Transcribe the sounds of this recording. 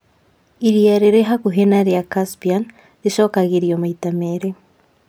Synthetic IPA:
iɾjaɾeɾeɦakuɦenaɾijakaspian | ɾiʃokaɣiɾijomaitameɾe

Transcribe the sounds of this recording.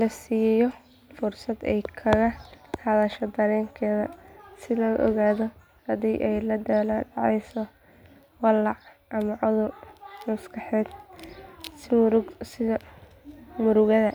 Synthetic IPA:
lɐsiːjɛjɔ | fʊrsɐd̪ɛ̰jkʰɐɣɐhɐðɐʃɔd̪ɐɾɛːŋkʰɛːðɐ̰sɪlɔːʔɔ̰ɣaːðɔ | hɐd̪iːʔɛjlɐd̪ɐːlːɖɑʕɛjsɔ | wɑlɑʕʔɐmɐʕʊðʊrmɐskʰɑħɛːd̪ | sɪ | mʊɾʊɣɐðɐ

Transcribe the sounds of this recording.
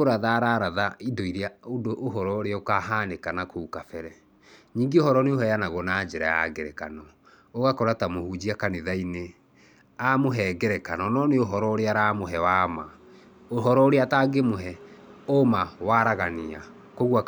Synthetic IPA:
oɾaðaɾaɾaðaidoiɾeaodoʔːɦɔɾɔɾeaokaɦanekanakoukafɛɾɛ | ɲiːŋɡeohɔɾɔneoɦɛjanaɣɔnaːd͡ʒeɾa̰ja̰ɡɛɾɛkanɔ | oɣakɔɾatamohud͡ʑiakaneðaine | amoɦɛɡɛɾɛkanɔnɔneoɦɔɾɔoɾeaɾamoɦɛwaːma | oɦɔɾɔoɾeataːɡemoɦɛomawaɾaɣania | koɣua

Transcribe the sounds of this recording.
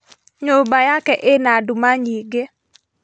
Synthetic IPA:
ɲobajakɛʔɪnadumaɲiɡe

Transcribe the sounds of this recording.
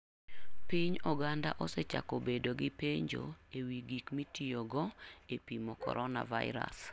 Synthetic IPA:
piɲɔɡanda̰ʔɔsɛt͡ʃa̰kɔbedoɡɪpeɲd͡ʒo̰ewiɡikmitioɡɔepimɔkɔ̰ɾʔɔna̰va̰ɪ̰ɾa̰s

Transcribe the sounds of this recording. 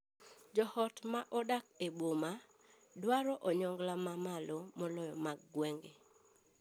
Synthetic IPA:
d͡ʒɔhɔtmaʔɔdak̚eboma | dwaɾɔʔɔɲɔŋɡlamamalɔmɔlɔjɔmaɡːwɛŋɡe

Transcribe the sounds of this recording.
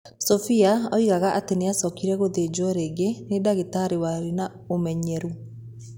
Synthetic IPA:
sɔfiaɔiɣaɣaʔateneasɔkiɾɛɣoðed͡ʒɔɾeːɡenedaɣetaɾewaɾina | omɛɲɛɾu

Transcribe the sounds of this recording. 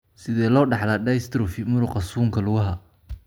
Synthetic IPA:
sɪðɛːlɔːɖɑħlaːɖajst̪ʰɾʊfimʊɾʊqɑsuːŋkʰɐlʊɣɐɦɐ

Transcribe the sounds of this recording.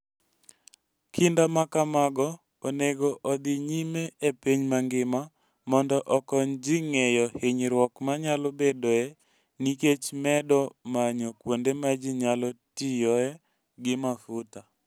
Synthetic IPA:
kʰindamakamaɡɔ | oneɡoʔɔd̪ɪɲimeepiɲmaŋɡɪma | mɔndɔʔɔkɔɲd͡ʒiŋejɔheɲɾwɔkmaɲalobedoɛ | niket͡ʃmɛdɔmaɲokwondemad͡ʒiɲalɔtijɔɛ | ɡɪmafʊta

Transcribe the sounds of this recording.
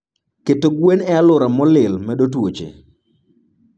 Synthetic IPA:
ketoɡwenɛalʊɾamɔlɪlmɛɗotwot͡ʃḛ

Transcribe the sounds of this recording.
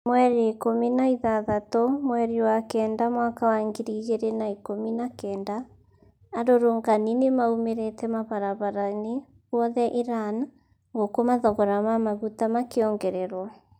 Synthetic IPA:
mwɛɾekominaiðaðatɔmwɛɾiwakɛːndamwakawaŋɡiɾiɣeɾenaikominakɛndaː | ɾoɾoŋɡaninemaumeɾetɛmaβaɾaβaɾane | ɣwɔðɛʔiɾan | ŋɡokomaðɔɣɔɾamamaɣutamakeɔŋɡɛɾɛɾwɔ

